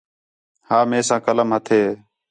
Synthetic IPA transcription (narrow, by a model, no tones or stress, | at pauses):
haːmẽːsãːkələmɦət̪ʰeː